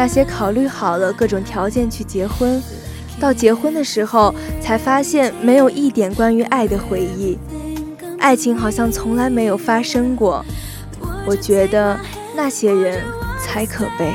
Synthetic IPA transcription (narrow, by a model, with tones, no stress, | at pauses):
na˥˩ɕjɛ˥kʰɑ˨˩ʊly˥˩xɑ˨˩ʊlə˦kɤ˥˩ʈ͡ʂʊ˨˩ŋt̪ʰjɑ˧˥ʊt͡ɕjɛ˥˧nt͡ɕʰy˥˩t͡ɕjɛ˧˥xwə˥n | t̪ɑ˥˩ʊt͡ɕjɛ˧˥xwə˥nd̪ə˨ʂɻ̩˧˥xo˥˧ʊt͡sʰa˧˥ɪfa˥ɕjɛ˥˩nme˧˥ɪjo˨˩ʊʔi˥˩t̪jɛ˨˩nkwa˥ny˧˥ʔa˥˩ɪd̪ə˩xwe˧˥ɪi˥˩ | a̰˥˩ɪt͡ɕʰi˧˥ŋxɑ˨˩ʊɕjɑ˥˩ŋt͡sʰʊ˧˥ŋla˧˥ɪme˧˥ɪjo˨˩ʊfa˥ʂɤ˥ŋkwɔ˥˩ | wɔ˨˩t͡ɕɥɛ˧˥d̪ə˧ | na˥˩ɕjɛ˥ɻə˧˥nt͡sʰa˧˥ɪkʰɤ˨˩pe˥˩ɪ